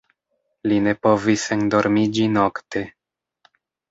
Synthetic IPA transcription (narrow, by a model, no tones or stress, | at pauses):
line̞po̞visendo̞ɾmid͡ʒino̞ktʰe̞